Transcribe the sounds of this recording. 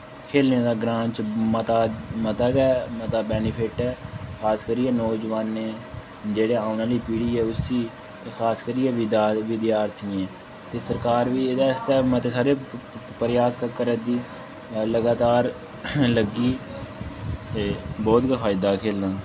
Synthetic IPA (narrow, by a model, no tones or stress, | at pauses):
kʰeːlneːd̪aːɡɾãːɲt͡ʃmət̪aːmət̪əɡɛːmət̪aːbɛːnɪpʰɪʈɛːkʰaːskəɾiːɛːnɔːd͡ʒʋaːnːeː | d͡ʒeːɽeːaːʊnãːliːpiːɽiːɛːʊsiː | kʰaːskəɾiːɛːʋɪd̪aːʋɪd̪jaːɾt̪ʰiːɛ̃ː | t̪eːsəɾkaːɾʋiːɪd̪aːst̪ɛːmət̪eːsaːɾeːpəɾjaːskəkəɾəd̪iː | ləɡaːt̪aːɾ | ləɡiː | t̪eːbɔːt̪ɡəfʰaːɪd̪aːkʰeːlnãː